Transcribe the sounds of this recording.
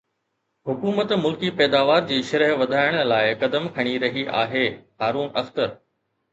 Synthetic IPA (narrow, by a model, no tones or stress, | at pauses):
hʊkuːmət̪mʊlkipɛːd̪aːʋaːɾd͡ʑiːʃɐɾəɦʋɐd̪ʱaːɪəɽ̃laːɪkɐd̪əmkʰɐɽ̃iɾɐɦiʔa̰ːɦeːɦaːɾuːnɐxt̪əɾ